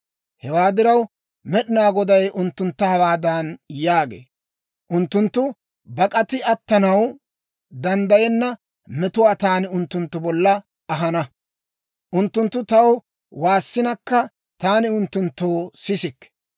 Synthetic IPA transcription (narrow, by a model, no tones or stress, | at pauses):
hɛwaːd̪ɪɾɐw | mɛɗɪnaːɡɔd̪ɐjʔʊnt̪ːʊnt̪ːɐhɐwaːd̪ɐnjaːɡḛː | ʔʊnt̪ːʊnt̪ːʊ | bɐkʼɐt̪ɪɐt̪ːɐnɐw | d̪ɐnd̪ɐjɛnːɐ | mɛt̪ʊwaːt̪aːnɪʊnt̪ːʊnt̪ːʊbɔlːɐ | ɐɦɐnɐ | ʔʊnt̪ːʊnt̪ːʊt̪ɐw | waːsːɪnɐkːɐ | t̪aːnɪʊnt̪ːʊnt̪ːoːsɪsɪkː